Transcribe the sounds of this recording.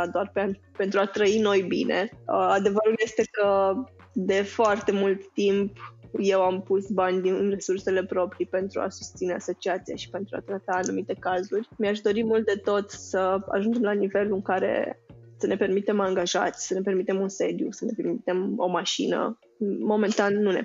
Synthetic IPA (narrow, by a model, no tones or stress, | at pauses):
ad̪oarpean | pe̞nt̪ɾuat̪ɾəino̞jbḭnḛəad̪e̞vəɾulje̞st̪e̞kə | d̪e̞foart̪e̞mult̪ːimpje̞wampusbanʲd̪innre̞surse̞le̞pɾo̞pɾipe̞nt̪ɾṵa̰su̥st̪sine̞aso̞t͡ʃiat̪sia̰ʃi̥pe̞nt̪ɾua̰t̪ɾat̪aːnumit̪e̞kazurʲmiaʃ̬d̪o̞ɾimult̪̚d̪e̞t̪o̞t̪səa̰ʒund͡ʒe̞mlanive̞lɨŋkaɾe̞̰səne̞pe̞rmit̪e̞maŋɡaʒa̰t̪sʲsəne̞p̬e̞rmit̪e̞munse̞d̪jṵsəne̞pe̞ɾmit̪e̞mo̞̰maʃḭnə̰ː | o̞me̞nt̪anːune̞̰